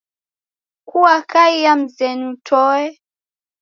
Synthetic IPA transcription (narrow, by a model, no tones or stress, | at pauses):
kuwakaijam̩zɛnutʰɔɛ